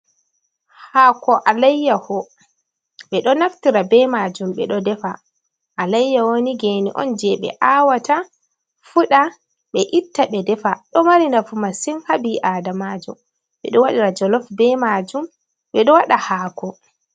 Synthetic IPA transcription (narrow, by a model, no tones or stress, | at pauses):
hakɔʔalajːahɔ | ɓɛɗɔnaftiɾabɛmad͡ʒumɓɛɗɔdɛfa | ʔalajːawoniɡenḭʔɔ̰nd͡ʒɛɓɛ̰ʔawata | fuɗa | ɓɛʔitːaɓɛdɛfaɗɔmaɾinafumasɛnhabiʔadamad͡ʒṵm | ɓɛɗɔwaɗiɾad͡ʒɔlɔfbɛmad͡ʒum | ɓɛɗɔwaɗahaːkɔ